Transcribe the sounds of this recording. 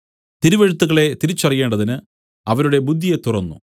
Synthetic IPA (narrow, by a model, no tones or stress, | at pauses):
t̪iɾuʋeɻut̪ːuɣɐɭe̞t̪iɾit͡ɕːɐrije̞ːɳɖɐðinɨ | ɐʋɐnuɽe̞bud̪ʱːijet̪ːurɐnːṵ